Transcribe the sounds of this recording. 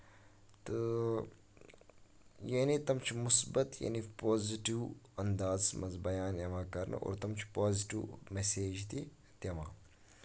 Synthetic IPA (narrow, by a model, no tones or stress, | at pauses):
t̪ɨ | jeːnit̪ɐmt͡ʃʰimʊsbɐt̪ja̰nipoːziʈiwɐnd̪aːzmɐzbɐjaːnjɐmãːkɐɾnɨ̰ʔo̰ːɾt̪ɐmt͡ʃʰpaːziʈḭwmeseːd͡ʒt̪i | t̪jɐma̰ː